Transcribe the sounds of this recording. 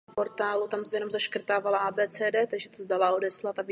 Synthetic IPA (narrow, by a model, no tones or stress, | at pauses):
po̞ɾt̪aːlut̪amsɛjɛnomzaʃkr̩t̪aːvalaʔaːbɛːt͡sɛːdɛːt̪aɡʒɛt̪ozdalao̞dɛslat̪av